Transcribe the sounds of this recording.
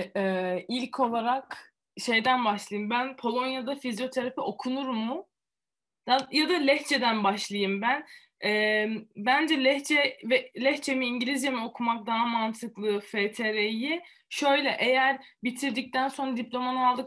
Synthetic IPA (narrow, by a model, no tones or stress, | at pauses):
ɛːilʲcʰo̞lˠaɾak | ʃe̞jd̪ænbaʃlˠajɯmbænpʰo̞lˠo̞njad̪afizjo̞t̪ʰaɾafiʔo̞kʰunuɾmːʊ | jajad̪alʲɛçt͡ʃʰe̞d̪ænbaʃlˠajɯmbæn | ɛːbænd͡ʒɛlʲɛçt͡ʃʰɛvɛlʲɛçt͡ʃʰe̞miiɲɟilʲizjamio̞kʰumak̚d̪aɦamant̪ʰɯklˠɯfet̪ʰeɾeji | ʃø̞jlʲɛʔejæɾbit̪ʰiɾd̪ic̚t̪ænso̞nɾad̪iplʲo̞manɯalˠd̪ɯk